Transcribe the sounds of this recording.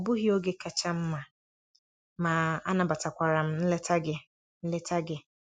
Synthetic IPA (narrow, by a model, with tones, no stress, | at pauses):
bʊ˦ɦi˦o˦ɡe˦kʰa˨t͡ʃʰa˦m̩˦mã˨ | mãː˨a˦nã˨ba˨tʰa˨kʷa˨ɾã˨m̩˦n̩˦lɛ˦tʰa˦ɡɪ˦ | n̩˦lɛ˦tʰa˦ɡɪ˦